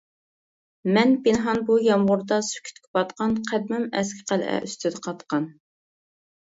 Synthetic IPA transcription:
mɛnbinɦɑnbujɑmʁʊɾd̪ɑsy̥kʲʰy̥t̪kʲʰɪbɑt̪qɑnqʰæd̪mɪmɛskʲʰɪ̥qælʔɛ̰ʔyst̪ʰyd̪ɛqʰɑt̪qɑn

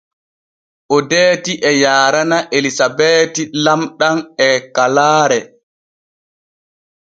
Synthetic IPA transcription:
ʔɔdeːtiʔɛjaːɾanaʔelisabɛːtilamɗanɛkalaːɾɛ

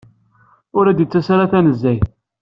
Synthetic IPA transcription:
ʊɾæd̪jət͡sːæsɾaθænəzːæj

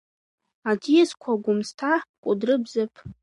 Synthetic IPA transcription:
adijazkʷʰaɡʷʊmstʰakʷʼʊdrɨbzɨpʼ

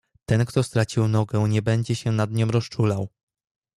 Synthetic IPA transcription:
t̪ɛnkt̪ɔst̪ɾat͡ɕiwnɔɡɛ̃ɲɛbɛɲd͡ʑɛɕɛnad̪ɲɔ̃m̃ɾɔst͡ʂulaw

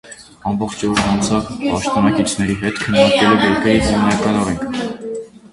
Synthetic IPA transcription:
ɑmbɔχt͡ʃʰɔɾɑnt͡sʰɑvpɑʃt̪ɔnɑkit͡ʃʰnɛɾiɦɛt̪kʰənːɑɾkɛlɔvjɛɾkəɾiɦimnɑkɑnɔɾɛŋkʰ

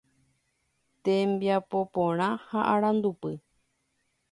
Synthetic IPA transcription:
t̪ẽmbjapo̞põɾ̃ãhaʔaɾ̃ãnd̪upɨ

